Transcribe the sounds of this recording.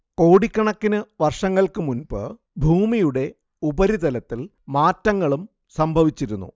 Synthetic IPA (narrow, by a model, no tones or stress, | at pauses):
ko̞ːɽikʲːɐɳɐkːinɨʋɐrʂɐŋːɐɭkɨmunbɨ̰ | bʱuːmijuɽe̞ | ubɐɾit̪ɐlɐt̪ːil | maːtːɐŋːɐɭum | sɐmbʱɐʋit͡ɕːiɾunːṵ